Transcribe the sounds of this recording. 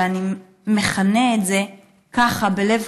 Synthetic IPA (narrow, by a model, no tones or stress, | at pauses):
ani | meχaneetze̞ | kaχabelev